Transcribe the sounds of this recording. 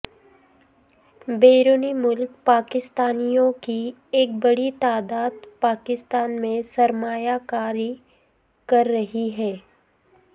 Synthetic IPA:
beːɾoːnimʊlk̚paːkɪst̪aːnijõki | eːk̚bɐɽit̪aːd̪aːd̪paːkɪst̪aːnmẽsɐɾmaːjakaːɾi | kɐɾːɐɦiɦɛː

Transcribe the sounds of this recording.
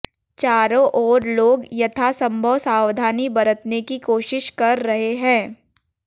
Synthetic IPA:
t͡ʃaːɾõʔɔːɾloːɡjɐt̪ʰasɐ̃mbʱəʋsaːwd̪ʱaːnibɐɾət̪nekikoːʃɪʃkɐɾːɐɦeɦɛ̃ː

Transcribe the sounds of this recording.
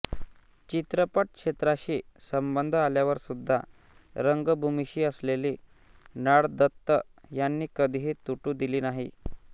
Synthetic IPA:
t͡ɕit̪ɾəpəʈ̚kʂet̪ɾaɕiːsəmbənd̪ʱaljaʋəɾsud̪ʱːa | ɾəŋɡəbʱumiɕiːəsleliː | naɽd̪ət̪ːə | janːiːkəd̪ʱiɦit̪uʈuːd̪iliːnaɦḭ

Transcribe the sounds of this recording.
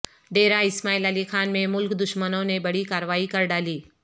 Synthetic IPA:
ɖeːɾãɪsmaːiːləlixaːnmẽmʊlkd̪ʊʃmənõnebɐɽ̤ikaːɾʋaːikɐɾɖaːliː

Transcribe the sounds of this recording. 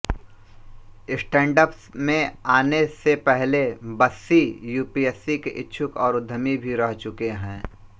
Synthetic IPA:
ɪsʈɛ̃ːɳɖəpsmẽaːnesepɛɦlebəsːijuːpiɛːsikeʔɪtːʃʰʊkɔːɾʊd̪ʱːəmibʱiɾɛɦt͡ʃʊkeɦɛ̃ː

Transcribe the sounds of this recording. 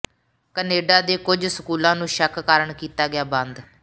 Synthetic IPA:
kəneːɖaːd̪eːkʊd͡ʒsəkuːlãːnũːʃəkʰːəɾəɳkiːt̪aːɡɪjaːbə̃nd̪

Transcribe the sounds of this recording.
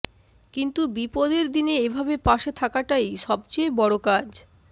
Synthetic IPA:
kint̪ubipod̪eɾd̪ineebʱabepaʃet̪ʰakaʈajʃɔbt͡ɕejbɔɽokad͡ʑ

